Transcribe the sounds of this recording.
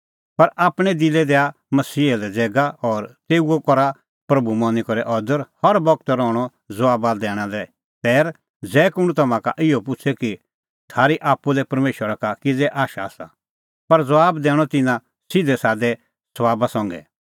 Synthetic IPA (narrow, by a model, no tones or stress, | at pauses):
pɐɾaːpɽ̃ɛd̪ɪlɛd̪ɛa | mɐsiːɛlɛd͡zɛːɡaɔːɾt̪eːuokɔɾa | pɾɐbumɔ̃nikɔɾɛʔɔd̪əɾhɐɾbɔɡ̚t̪ɾɔːɽ̃ɔ | d͡zɐʋaːbad̪ɛːɽ̃alɛ | t̪ɛːɾ | d͡zɛːkʊɽ̃ut̪ɐmãka̰ʔɪopʊt͡ʃʰɛki | t̪ʰaːɾiʔaːpːulɛpɐɾmeːʃwəɾakakid͡zɛʔaːʃasa̰ | pɐɾd͡zɐʋaːbd̪ɛːɽ̃ɔt̪ɪnã | sɪd̪ʱɛsaːd̪ɛ | sʋaːbasɔ̃ŋɡɛ̰